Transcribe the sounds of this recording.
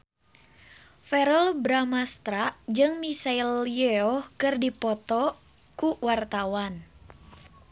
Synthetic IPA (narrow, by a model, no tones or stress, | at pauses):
fɛɾəlbɾamast̪ɾaʔd͡ʒɨŋmisailjɛɔhkɨrdipɔt̪ɔ | kuwart̪awan